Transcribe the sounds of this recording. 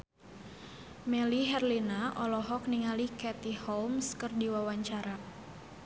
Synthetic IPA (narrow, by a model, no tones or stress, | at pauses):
mɛliɦɛrlinaʔɔlɔɦɔk̚niŋalikɛt̪ihɔmskɨrdiwawaɲt͡ʃaɾa